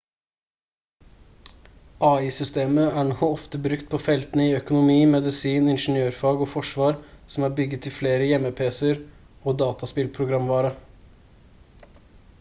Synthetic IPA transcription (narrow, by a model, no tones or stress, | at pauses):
ʔɑːiːsʏst̪eːməæːɳoɔft̪əbɾʉkt̪̚pʰoːfɛlt̪nəiœkʊnʊmiːmɛd̪ɪsiːnɪnʂn̩jøːɾfɑːɡoːfɔʂʋɑːɾsɔm̩æːɾbʏɡət̪ʰːɪlfleːɾəjɛməpʰeːsəɾ | oːd̪ɑːt̪ɑspɪlpʰɾʊɡɾɑmʋɑːɾə